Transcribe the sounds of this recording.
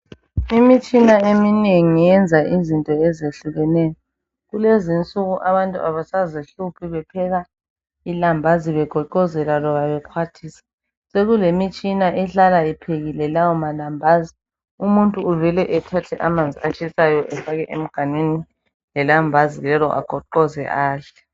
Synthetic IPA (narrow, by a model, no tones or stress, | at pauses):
imit͡ʃʼinaemineŋijɛnd͡zʱaʔizintʼɔɛzeɬuɣɛnɛjɔ | ɣulezint͡sʼuɣuʔaβantʼuaβasaziɬupʰiβɛpʰɛɣa | ilambʱaziβɛɡ̥ʱɔǃɔzɛlalɔβaβɛkʰwatʰisḁ | seɣulemit͡ʃʼinaʔɛɬalaipʰeɣilɛlawɔmalambʱaːzi | umuntʼuːvɛlɛʔɛtʰatʰɛʔamand͡zʱiat͡ʃʰʼisajɔʔɛfaɣɛʔem̩ɡ̥ʱanweni | lɛlambʱazilɛlɔ̰ʔa̰ɡ̥ʱɔǃɔzɛ̰ʔaːɬɛ̥